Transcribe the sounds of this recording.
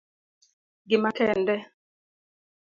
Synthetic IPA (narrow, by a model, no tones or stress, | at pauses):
ɡɪmakɛndɛ